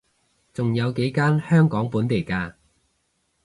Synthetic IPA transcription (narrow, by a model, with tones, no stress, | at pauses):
t͡sʊ˨ŋjɐ˨˧wke˨˥jkaː˥nhœː˥ŋkɔː˨˥ŋpuː˨˥nt̪e˨jkaː˧